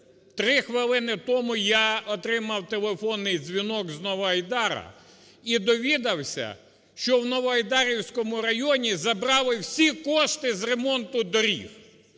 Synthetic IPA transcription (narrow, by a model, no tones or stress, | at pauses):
t̪ɾɪxʋɪlˠɪnɪt̪ɔmʊjɑɔt̪ɾɪmɐwt̪elˠefɔnːɪjzʲʋʲinɔɡznɔʋɔɐjd̪ɑɾɐ̰ | id̪ɔʋʲid̪ɐwsʲɐ̰ | ʃt͡ʃɔwnɔʋɔɐjd̪ɑɾʲiwsʲkɔmʊɾɐjɔnʲizɐbɾɑlˠɪwsʲikɔʃt̪ɪzre̞mɔnt̪ʊd̪ɔɾʲḭw